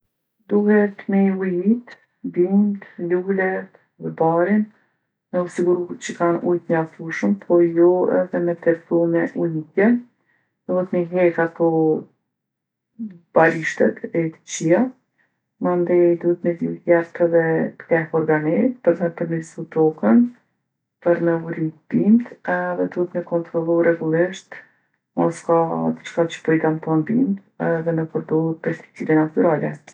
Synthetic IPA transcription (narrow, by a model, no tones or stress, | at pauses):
d̪uhɛt̪mɛujit̪ | bint̪lulɛt̪ | ðɛbaɾin | mɛusiɡuɾuht͡ɕəkanṵjt̪ɲaffuʃəmpʰɔjɔɛ̰ðɛmɛt̪ɛɾfumɛʔujikɛ | d̪̥uhɛt̪mɛɦɛkat̪ɔ | b̥aɾiʃt̪ɛt̪ɛt̪ə̥t͡ɕia | mand̪ɛjd̪uhɛt̪məzijat̪ɛðɛt̪ə̥kɛhɔɾɡanit̪pəɾnəpəɾmisut̪ɔkən | pəɾnəuɾib̥imt̪ðɛd̪uhɛt̪məkɔnt̪ɾɔlˠuɾɛɡulˠɪʃt̪ | mɔskad̪ət͡ʃkat͡ʃə̥pəjk̪ant̪anbimt̪ | ðɛnəpəɾd̪ɔhət̪̚pɛɾst̪i̥kt͡sidɛnat̪uɾalɛ